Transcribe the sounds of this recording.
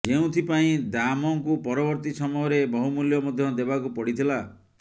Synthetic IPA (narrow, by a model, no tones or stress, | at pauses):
d͡ʒeũt̪ʰipaĩd̪amɔŋkupɔɾɔbɔɾt̪isɔmɔjɔɾebɔɦumuljɔmɔd̪ʱjɔd̪ebakupɔɽit̪ʰila